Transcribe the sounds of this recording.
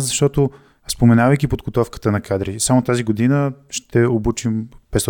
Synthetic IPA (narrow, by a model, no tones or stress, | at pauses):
zɐʃt̪ɔt̪o | spomɛnavəjk̟ipod̪ɡot̪ɔfkə̥t̪ənɐkad̪ɾisamot̪aziɡod̪inəʃt̪ɛobut͡ʃimpɛs